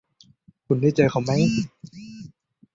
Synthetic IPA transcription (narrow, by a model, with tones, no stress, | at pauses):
kʰu˧nda˥˩t͡ɕa˧jkʰa˧˥˩wma˦˥j